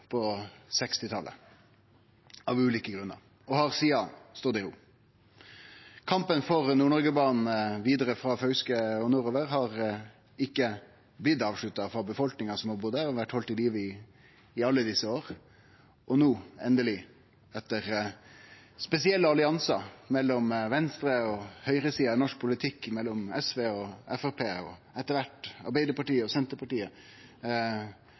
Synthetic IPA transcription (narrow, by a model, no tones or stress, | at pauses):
pʰɔsɛkst̪ɪt̪ʰɑlʔə̰ | ɑːʋʉːliːkəɡɾʉnːə̰ɾ | ɔhɑɾsiːɑst̪oːd̪ɛuː | kʰɑmpənfɔɾnuːɳɔɾɡəbɑːnn̩ʋiːd̪əɾəfɾɑfœʉskəɔnuːɾoːʋəɾhɑʁ | ɪkːə | blɪd̪ɑːʋʂɭʉt̪ːɑfɑbəfɔlknɪŋɑsɔmhɑɾbʊd̪æːɾɔʋæʈːhɔlt̪ɪliːʋəɪ | ɪɑlːəd̪ɪsːəoːɾ | ʔɔnuːɛnd̪əlɪ | ɛt̪ːəɾ | spɛsɪɛlːəɑlɪɑnsɑmɛlːɔmʋɛnst̪ɾəɔhœʏɾəsiːɑnɔʂk̚pʰʊlɪt̪ʰɪkːmɛlːɔmɛsʋeːɔɛfæpʰeːɔ̰ | ɛt̪ːəɾʋæʈːɑ̰ɾbæɪd̪əpɑʈiːəɔsɛnt̪əɾpʰɑʈiːə